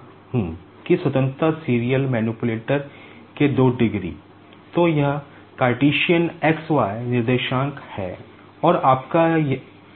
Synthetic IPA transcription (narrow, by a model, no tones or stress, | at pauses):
ɦũː | kiswɐt̪ə̃nt̪ɾəsiːɾijəlmɛːnupʊleːʈəɾ | ked̪oːɖɪɡɾḭː | t̪ojɐɦ | kaːɾʈiːʃijəneksʋaːenɪɾd̪eːʃãːŋkhɛ̰ː | ɔːɾaːpkaj